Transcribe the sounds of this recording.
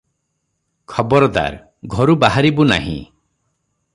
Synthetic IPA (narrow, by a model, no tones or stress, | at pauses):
kʰɔbɔɾɔd̪a̰ɾ | ɡʱɔɾubaɦaɾibuna̰ɦḭ̃